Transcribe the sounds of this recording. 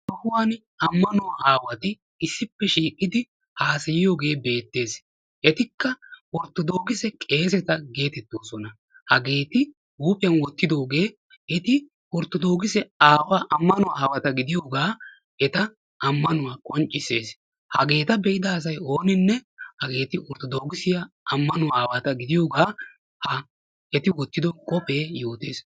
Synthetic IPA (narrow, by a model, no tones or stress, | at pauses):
t̪ɔhʊwaːn | ɐmːɐnɔwʔaːwɐt̪ɪ | ɪsːɪpːɛʃiːkʼːɪd̪ɪ | haːsɐjɪjo̞ːɡe̞ːbe̞ːt̪ːe̞ːs | ʔɛt̪ɪkːɐwɔɾt̪ːɔd̪oːɡɪsɛkʼe̞ːsɛt̪ɐɡe̞ːt̪ɛt̪ːoːsɔnɐ | hɐɡe̞ːt̪ɪ | huːpʼɪjɐnwɔt̪ːɪd̪o̞ːɡe̞ː | ɛt̪ɪ | wɔɾt̪ːɔd̪o̞ːɡɪsɛaːwaːʔɐmːɐnʊwaːwɐt̪ɐɡɪd̪ɪjo̞ːɡaː | ʔɛt̪ɐ | ɐmːɐnʊwaːkʼɔnt͡ʃʼːɪse̞ːs | hɐ̰ɡe̞ːt̪ɐbɛʔɪd̪ɐːs̬ɐjo̞ːnɪnːɛhɐɡe̞ːt̪ɪʔɔɾt̪ːɔd̪oːɡɪsɪjɐ | ʔɐmːɐnʊaːwɐt̪ɐɡɪd̪ɪjoːɡaː | hɐ | ɛt̪ɪwɔt̪ːɪd̪ɔkʼɔpe̞ːjoːt̪e̞ːs